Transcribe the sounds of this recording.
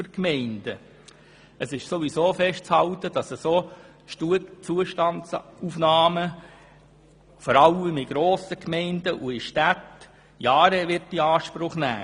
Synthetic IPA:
əkmɛɪnd̥ə | əsɪʃsoʋisoːfɛʃtt͡shɑltəd̥ɑsəsoː | ʃtuət͡suəʃtɑnt͡sufnɑːmə | fɔɾɑləmɪɡ̥ɾoːsəkmɛɪndəʔʊɪʃtæt | jɑːɾəʋɪɾt̚d̥iɑːʃpɾʊχnæ̰ː

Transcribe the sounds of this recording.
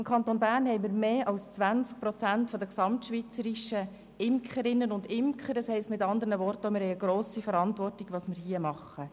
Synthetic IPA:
ɪmkʰɑnt̪onbæːɾnhɛɪmiɾmeːʔɑlst͡sʋænt͡sk̚pɾɔt͡sæntfɔd̪əksɑmtʃʋit͡səɾiʃə | ɪmkʰχəɾɪnːənʊndɪmkχəɾdəshɛɪstmɪtɑnd̪əɾnəvɔrtɔmɪɾhɛɪəɡɾoːsifəɾɑntʋɔrtiɡʋɑːsmɪɾhiəmɑχə

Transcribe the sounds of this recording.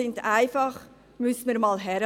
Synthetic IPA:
ɪntaɪfɑχ | mʏsmiːɾmɑːlɦɛɾ

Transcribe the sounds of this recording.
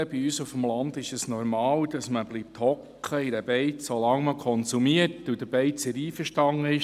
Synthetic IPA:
əb̥iyːsufmlɑnd̪ɪʃəsnɔɾmɑːld̥ɑsməbliːp̚thɔkʰχəidæb̥ɛɪsolɑŋməkʰɔnsumiətudəb̥ɛɪt͡sɛɾiːfəʃtɑŋəɪʃ

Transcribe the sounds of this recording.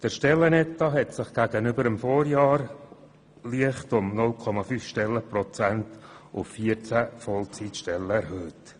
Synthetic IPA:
d̥əɾʃtɛlːənɛtɑɦɛtsɪχɡ̥æɡənʏbəɾəmfɔːɾjɑːɾ | liəχtʊmnʊlkʰɔmɑfyːfʃtɛlːəpɾɔt͡sæntʊfːiəɾt͡sæfɔlt͡sitʃtɛlːəɛɾhøːlt

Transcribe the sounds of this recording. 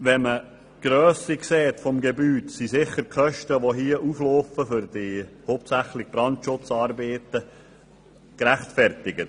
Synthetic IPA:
ʋɛmə | ɡ̥ɾœːsikseːtfɔmɡebyːtsisɪχəɾkʰœʃtəʋoɦiəʔufloːfəfʏɾd̥ihoːp̚tsæχlɪɡb̥ɾɑntʃʊt͡sɑːɾbeːt̪ə | kɾæχtfɛrtɪɡət

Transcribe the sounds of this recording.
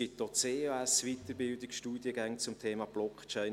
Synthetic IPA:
ɪt̚d̥ot͡seːoæsʋit̪əɾbɪldɪkʃtuːd̥jəɡæŋt͡sʊmtʰeːmɑb̥lɔkʰt͡ʃɛɪn

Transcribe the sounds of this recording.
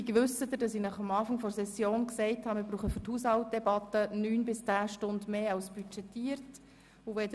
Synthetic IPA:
ikʋʏsəd̪əd̥ɑsinæχɑmɑːfɑŋfɔɾsɛsjoːnksɛɪthɑːmɪɾbɾuːχəfʏthuːshɑlt̚d̥̪ɛbɑt̪ənyːnbɪst͡sæːʃtʊndmeːɑlsb̥yt͡ʃɛtiːəɾt | uʋɛdə

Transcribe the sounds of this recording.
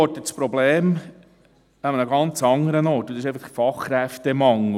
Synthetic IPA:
ɔtːət͡spɾɔbleːm | ɑmənəɡɑnt͡sɑŋəɾənɔːtːusɪʃeɪfɑχfɑχɾæft̪ɛmɑŋl

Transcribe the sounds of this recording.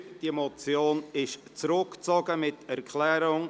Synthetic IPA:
d̥imɔt͡sjoːnɪʃt͡sɾʊkt͡sɔɡəmɪtɛɾkʰlɛːɾʊŋ

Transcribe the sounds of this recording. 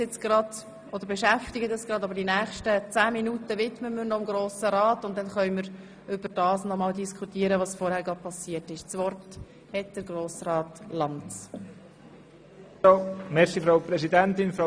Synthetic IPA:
jɪt͡sɡ̥ɾɑd̪̥ | ʔɔd̪əɾbɛʃæftɪɡədɑsɡ̥ɾɑd̪ɑbəɾdinæːχʃtət͡sæːminutəvɪtməməɾnɔɪmɡɾoːsəɾɑːtʊntd̥ɛnχœʏməɾ | ʏbəɾd̥ɑːsnɔmɑːldiskʰutiəɾəʋɑsfɔɾhæːɾɡ̥ɑd̥̚pʰɑsiətɪʃt͡sʋɔrt | hɛt̚d̪̥əɾɡɾoːsrɑːtlɑntt͡s | mɛɾχifɾaʊpɾɛsidɛnt̪ɪnfɾa

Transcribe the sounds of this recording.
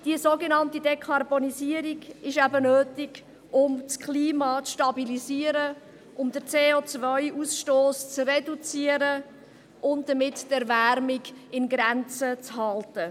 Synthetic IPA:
d̥izoːɡenɑntidɛkʰɑrboniziəɾiɡɪʃæbənøːtɪɡ | ʊmt͡skʰliːmɑːt͡sʃtɑbiliziəɾə | ʊmdəɾt͡seːot͡svœʏʔusʃtoːst͡sredut͡siəɾə | ʔʊntd̥əmɪttɛɾvæɾmɪɡɪnɡɾɛnt͡sət͡shɑltə

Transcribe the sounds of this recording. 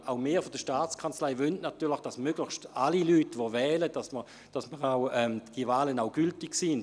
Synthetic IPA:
ʔaʊmeːfod̥əʃtaːt͡skʰant͡slaɪvøntnatyːɐlɪxd̥asmøɡ̥lɪχʃtalilyːtʋovɛːlədasmə | d̥asməʁawɛmd̥ivaːlənaʊɡ̥yltɪksin

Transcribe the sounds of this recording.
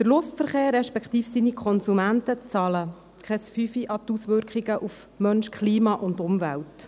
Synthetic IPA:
d̥̪əɾlʊftfəɾχeːɾːɛʃpɛkχt̪iːfsinikʰɔnsumæntət͡sɑlə | kʰχɛsfyfiʔɑt̪usʋʏɾkχɪɡəʔuf | mœnʃkʰliːmɑʔʊndʊmvælt

